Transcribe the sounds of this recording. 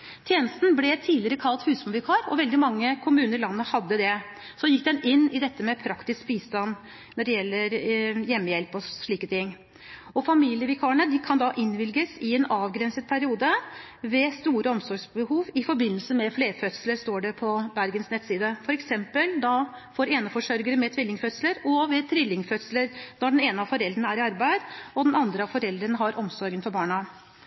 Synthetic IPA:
t̪ʰjeːnəst̪n̩blɛt̪ʰiːlɪɾəkʰɑlt̪hʉːsmulʋɪkʰɑːɾɔ̰ʋɛld̪ɪmɑŋːəkʰʊmʉːnəɾlɑnːəhɑd̪ːəd̪ɛ | sɔjɪk̚d̪ɛnɪnːɪd̪ɛt̪ːəmɛpʰɾɑkt̪ɪskbiːst̪ɑn | nɔɖɛjɛlːəɾjɛmːəjɛlpɔʂɭiːkət̪ʰɪŋː | ɔfɑmiːlɪəʋɪkʰɑːəɳəd̪ɪkʰɑnd̪ɑʔɪnːʋɪlɡəsɪɛnɑːʋɡɾɛnsət̪̚pʰæɾɪuːd̪ə | ʋɛst̪uːɾəɔmsɔɾɡʂbəhuːʋɪfɔɾbɪnːəlsəmɛfleːfœt̪sələɾʂt̪oːɖɛpʰɔbæɾɡənsnɛt̪siːd̪əfɔɾɛksɛmpəld̪ɑ | fɔɾeːnəfɔʂœɾɡəɾəmɛt̪ʰʋɪlːɪŋfœt̪sləɾɔʋɛt̪ʰʋɪlːɪŋfœt̪sləɾnɔɖɛneːnəɑfɔɾɛld̪ɾəɳəæɾɪɑɾbæɪd̪ɔd̪ɛnɑnd̪ɾəɑfɔɾɛld̪ɾənəɦɑɾʔɔmsɔɾɡənfɔɾbɑːɳɑ

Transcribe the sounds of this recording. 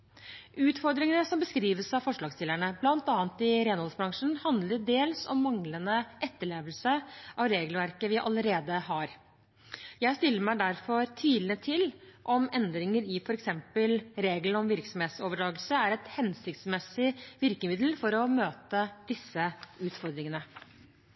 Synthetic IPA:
ʔʉːt̪fɔɾd̪ɾɪŋənəsɔmbəskɾiːʋəsɑʋfɔʂɭɑːɡst̪ɪləɳəblɑnt̪ɑːnt̪ɪɾeːnhɔlsbɾɑŋʂn̩hɑnd̪ləɖ̪eːlsɔmːɑŋlənəʔɛt̪ːəɭeːʋəlsəʔɑʋɾeːɡlʋæɾkəʋɪʔɑləɾeːd̪əhɑɾ | jæɪst̪ɪlːəɾmæɪd̪æɾfɔɾt̪ʰiːd̪ət̪ʰɪlʔɔmɛnd̪ɾɪŋəɾɪfɔɾɛksɛmpəlɾeːɡlən̩ɔmʋɪɾksɔmheːt̪soːʋəɖɾɑːɡəlsəæɾɛt̪hɛnsɪkt̪smɛsɪʋɪɾkəmɪd̪l̩fɔɾɔmøːt̪əd̪̥ɪsːəʉːt̪fɔɾd̪ɾɪŋənə

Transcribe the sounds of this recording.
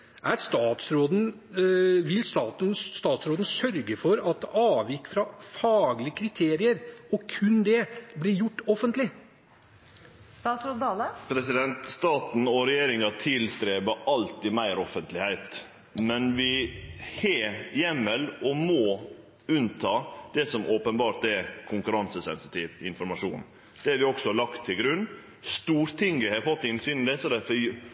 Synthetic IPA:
ʔæɾst̪ɑːt̪sɾoːd̪n̩ | ʋɪlst̪ɑːt̪n̩st̪ɑːt̪sɾoːd̪n̩sœɾɡəfɔɾɑt̪ʔɑːʋjɪkːfɾɑfɑːɡlɪəkʰɾɪt̪ʰeːɾɪəɾɔkʰʉnd̪ɛblɪɾjʊʈːɔfənt̪lɪ | st̪ɑːt̪sɾoːd̪ɑːləpʰɾɛsɪd̪ɛnt̪st̪ɑːt̪n̩ɔɾɛjeːɾɪŋɑt̪ʰɪlst̪ɾeːbəʔɑlt̪ɪmæɪɾɔfənt̪lɪhæɪt̪ | mɛnʋɪhɛːjɛmːəlɔmɔ | ʉnt̪ʰɑːd̪̥ɛsɔmʔoːpənbɑːɾt̪ɛɾkʰʊŋkʉɾɑnsəsɛnsɪt̪ʰiːʋɪnfɔɾmɑʂṵːn | d̪̥ɛæɾʋɪɔksɔɑɭɑkt̪ʰːɪlɡɾʉnː | st̪uːɾt̪ʰɪŋɡəhɑɾfɔt̪ːɪnsyːnɪd̪ɛsɔd̪æfə

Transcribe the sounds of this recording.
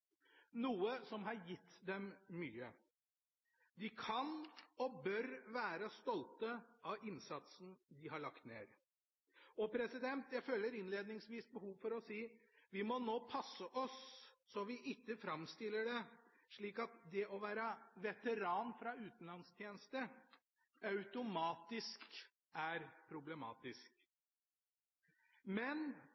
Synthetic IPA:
nuːəsɔmɦɑɾjɪt̪ːd̪ɛmːyːə | d̪ɪkʰɑnɔbœɾʋæːɾəst̪ɔlt̪əʔɑʋɪnsɑt̪sn̩d̪ɪɦɑɭɑkt̪nḛːɾ | ɔpʰɾɛsɪd̪ɛnt̪jæɪfølːəɾɪnleːd̪nɪŋsʋiːsbəhuːʋfɔɾɔsiːʋɪmɔnoːpʰɑsːəʔɔsːɔʋɪʔɪt̪ːəfɾɑmst̪ɪlːəɖɛ | ʂɭiːkɑt̪d̪ɛʔɔʋæːɾəʋɛt̪əɾɑːnfɾɑʉːt̪n̩lɑnst̪ʰjeːnəst̪ə | ɑʉt̪ʊmɑːt̪ɪsk | æɾpʰɾʊblɛmɑ̰ːt̪ɪsk | mɛn

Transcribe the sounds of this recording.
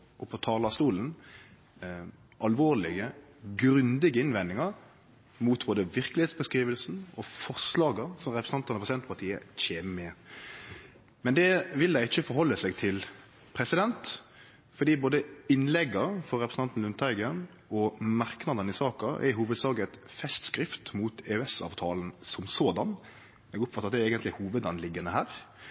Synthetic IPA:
ʔɔpʰɔt̪ʰɑːlɑst̪uːln | ʔɑlʋoːlɪɡəɡɾʉnd̪ɪɡəɪnʋɛnːɪŋɑɾ | muːt̪boːd̪əʋɪʁkəlɪheːt̪sbəskɾiːʋəlsn̩ɔfɔʁslɑːɡəsɔmɾɛpɾəsn̩ɑnt̪ənɔpʰʁɛsɪd̪ɛnt̪pɑʁt̪ʰiːə̰c͡çeːməmɛ | mɛnd̪ɛʋɪld̪æɪɪçːəfɔɾɦɔlːəsɛɡt̪ʰɪl | pʰɾɛsɪd̪ɛnt̪ | fɔd̪iːboːd̪əɪnlɛɡːəfɔɾɾɛpɾəsn̩t̪ɑnt̪n̩lʉnt̪ʰɑɪɡən | ɔmɑɾknɑd̪ənɪsɑːkɑʔɛ̰ɪɦuːʋəd̪sɑːɡət̪fɛst̪skɾɪft̪muːt̪ʰɛːʉɛsɑ̰ːʋt̪ʰɑːln̩sɔmsoːd̪ɑn | ɛːɡʊpːfɑt̪ːɑt̪d̪ɛɛːɡənt̪lɪhuːʋəd̪ɑnlɪɡːənəhæːɾ

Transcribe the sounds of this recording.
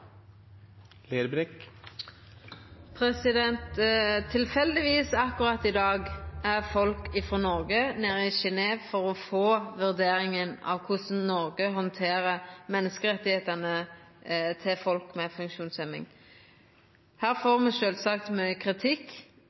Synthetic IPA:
leːd̪bɾɛk | pʰʁɛsɪd̪ɛnt̪t̪ʰːɪlfɛld̪ɪʋiːsɑkʊʁɑt̪ːɪd̪ɑːɡæʁfɔlkɪfɾɔːnɔʁɡəneːʁəɪʃɪneːʋfɔʁɔfoːʋʉʁd̪eːɾɪŋənɑ̰ʋkʰʊsn̩nɔʁɡəɦɔnt̪ʰeːʁəmɛnːəskəʁɛt̪ːɪheːt̪ənə | t̪ʰɪlfɔlkmɛfʉŋkʃuːnsɛmɪ̰ŋ | hæːʁfoːʁmɛʃøːlsɑk̚t̪mœʏəkʰʁɪt̪ʰɪkː

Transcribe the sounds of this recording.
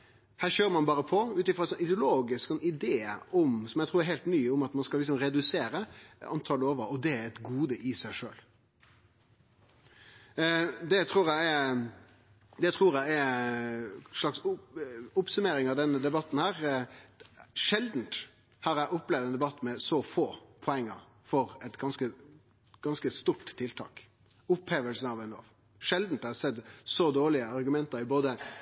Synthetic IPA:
hæːʁɕøːɾmɑnbɑːɾəpʰɔʉːt̪ɪfɾɔɛsɔnɪd̪ɪʊloːɡɪsksɔnɪd̪eːə̰ɔmsɔmjæɪt̪ʰuːɾɛɾɦɛɪlt̪nyːʊmɑt̪mɑnskɑlɪksɔmɾɛd̪ʉseːɾəɑ̰nt̪ʰɑləoːʋəɾɔd̪ɛæɾɛt̪ɡuːd̪əʔɪsæɪʂøːl | d̪ɛt̪ʰɾuːɾjæɪɛ | d̪ɛt̪ʰɾuːɾjæɪɛɾ | ʂlɑksʊʊpsʉmeːɾɪŋɑʋd̪ɛnːəd̪ɛbɑt̪ːn̩hæːʁ | ʂɛld̪n̩t̪ | hɑːɾæɪʔʊpːlɛʋd̪ɛnd̪ɛbɑt̪ːmɛsɔfoːpʰɔɛŋːə̰ | fɔɾɛt̪ɡɑnskə | ɡ̥ɑnskəst̪uʈt̪ʰːɪlt̪ʰɑ̰ːk | ʊpheːʋəlsn̩ɑʋɛnlo̰ːʋ | ʂɛld̪n̩t̪ːɛsɛd̪sɔd̪oːɭɪəɑɾɡʉmɛnt̪ɑɾɪboːd̪ə

